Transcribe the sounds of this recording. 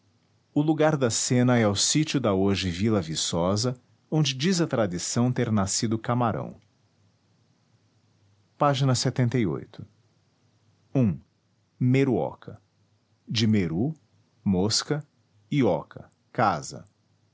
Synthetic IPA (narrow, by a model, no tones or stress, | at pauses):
ʊluɡaɾd̪ɐsẽnɐɛwsit͡ʃʊd̪ɐoʒɪvilɐvisɔzɐ | õnd͡ʒɪd͡ʒizɐt̪ɾad͡ʒisɐ̃w̃t̪eɾnasid̪ʊkamaɾʔɐ̰̃w̃ | paʒinɐset̪ẽnt̪ejo̰jt̪ʊ̥ | ũ | meɾuɔ̰kʰɐ | d͡ʒɪmeɾu | moskɐ | iɔkʰɐ̰ | kazɐ̰